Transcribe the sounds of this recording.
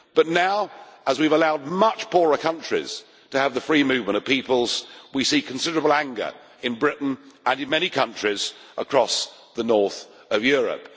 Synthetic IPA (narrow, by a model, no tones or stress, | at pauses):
b̥ʌtⁿnaʊəzwivəlaʊd̚mʌt͡ʃpʰɔɹəkʰʌ̃nt͡ʃɹ̥ḭz̥ | tʰɨːvðəfɹimʉvmə̃ɾ̃ʌv̥pipəlˠz̥wisikʰn̩sɪɾə˞əbl̩ˠæ̃ŋɡə̰˞ | ɨ̃nbɹɪʔn̩ə̃nɨ̃nmɛñikʰʌ̃nt͡ʃɹ̥ɪzʔəkʰɹ̥ɔsðənɔɹθ | ʌvjʊɹɨ̰p̚